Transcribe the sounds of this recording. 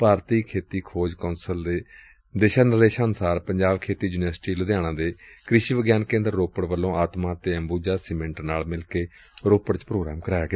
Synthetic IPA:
paːɾt̪iːkʰeːt̪iːkʰoːd͡ʒkaːʊnsəld̪eː | d̪eːʃaːnəleːʃansaːɾpəɲd͡ʒaːʋkʰeːt̪iːd͡ʒuːnɪʋəɾsʈiːlʊd̪jaːɽ̃ãːd̪eːkɾɪʃiːʋəɡjaːnkẽːnd̪əɾːoːpəɽʋəlːõːaːt̪mãːt̪eːəmbuːd͡ʒaːsɪmɛ̃ɳʈnaːlmɪlkeː | ɾoːpəɽt͡ʃpɾoːɡɾa̰ːmkəɾaːjeɡaː

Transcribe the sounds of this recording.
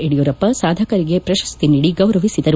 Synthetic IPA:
eɽijuɾɐpːɐsaːd̪ʱɐkɐɾiɡe̞pɾɐʃɐ̥st̪iniɽiɡɐwɾɐʋisid̪ɐɾu

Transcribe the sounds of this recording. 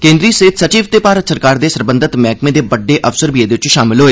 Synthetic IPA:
kẽːnd̪ɾiːsəɦɪt̪ʰsət͡ʃiːʋt̪eːpaːɾət̪səɾkaːɾd̪eːsəɾbə̃nd̪ət̪mɛːkmẽːd̪eːbəɖːeːʔəfsəɾbiːeːd̪eːʋɪt͡ʃʃaːmɪlɦoːeː

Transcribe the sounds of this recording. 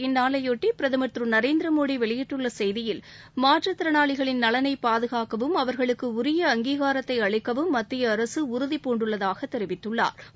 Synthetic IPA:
ɪnːaːlɐjoːʈːipɪɾɐðɪmɐt̪rɯnɐɾeːnd̪ɪɾɐmoːɽiʋɛɭɪjɪʈːɯɭːɐsɛjðɪjɪl | maːʈrɐt̪ːɪɾɐnaːɭɪɣɐɭɪnnɐɭɐnɐɪpːaːðɯɣaːkɐʋɯmɐʋɐɾɣɐɭɯkːɯʊɾɪjɐːŋɡiːɣaːɾɐt̪ːɐɪɐɭɪkːɐʋɯmːɐt̪ːɪjɐːɾɐsɯʊɾʊðipoːɳɖɯɭːɐðaːɣɐt̪ːɛɾɪʋɪt̪ːɯɭːa̰ːɾ

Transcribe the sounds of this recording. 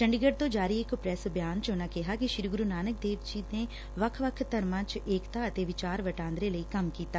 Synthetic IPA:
t͡ʃəɳɖɪɡəɖ̚t̪õːd͡ʒaːɾiːɪkʊpɾɛːsbjaːnt͡ʃʊnãːkɪɦaːkɪʃɪɾɡɾuːnaːnək̚d̪eːʋd͡ʒiːneː | ʋəkʰʋəkʰt̪əɾmãːt͡ʃeːkt̪aːət̪eːʋɪt͡ʃaːɾʋəʈãːnd̪ɾeːləiːkəmkiːt̪aː

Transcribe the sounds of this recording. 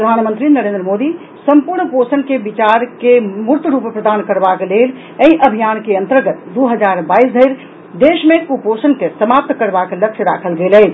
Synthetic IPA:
pɾəd̪ʱaːnmə̃nt̪ɾinəɾẽnd̪ɾəmod̪i | səmpuɾɳposənkebit͡ʃaɾkemuɾt̪ɾuppɾəd̪aːnkəɾbakelel | əiʔəbʱijankeənt̪əɾɡət̪d̪uɦəd͡ʒaɾbaːisd̪ʱəɪɾ | d̪eʃmẽkuposənkesəmap̚t̪kəɾbakeləkʃʰjəɾa̰kʰəlɡeləj

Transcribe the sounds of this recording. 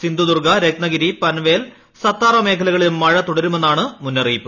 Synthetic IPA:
sind̪ud̪urɡɐɾeknɐɡiɾipɐnʋeːl | sɐt̪ːaːrʋɐme̞ːkʰɐlɐɣɐɭilumːɐɻɐt̪uɽɐɾume̞nːaːɳɨmunːɐriːpːɨ

